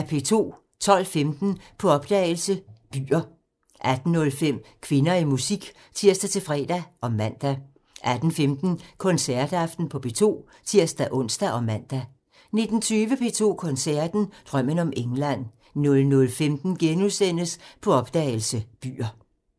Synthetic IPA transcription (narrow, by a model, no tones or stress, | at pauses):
æpʰe̝ːt͡sʰo̝̰ː | t͡sʰɒ̽l̰femd̥n̩pʰɒ̽ɒ̽b̥̚d̥ɛ̰ːɪlsəb̥y̰ːɐ | ʔæd̥n̩ːɔ̽lfem̰kʰʋe̝nɐimusiɡ̥ | t͡sʰiɐ̰sd̥æt͡sʰe̝fʁɛ̰ːd̥æʔɒ̽mæn̰d̥æ | ʔæd̥n̩femd̥n̩kʰɒ̽nsæɐd̥ɑfd̥n̩pʰɒ̽b̥e̝̰ːt͡sʰo̝̰ː | t͡sʰiɐ̰sd̥æʔɔ̽n̰sd̥æʔɒ̽mæn̰d̥æ | ne̝d̥n̩t͡sʰyːʋəpʰe̝̰ːt͡sʰo̝̰ːkʰɒ̽nsæɐd̥n̩d̥ʁɶm̰ənɒ̽mʔeŋlæn̰ | nɔ̽lnɔ̽lfemd̥n̩ɡ̥enusen̰əspʰɒ̽ɒ̽b̥d̥ɛ̰ːɪl̩səb̥y̰ːɐ